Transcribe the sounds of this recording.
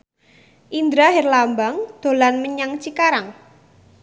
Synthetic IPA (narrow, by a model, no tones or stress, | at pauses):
ʔind̪ɾaɦɛrlambaŋd̪̥o̤lanməɲaŋt͡ʃikaɾaŋ